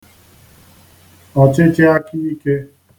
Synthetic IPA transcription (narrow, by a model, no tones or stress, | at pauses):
aːt͡ʃeːt͡ʃeaːkiikeː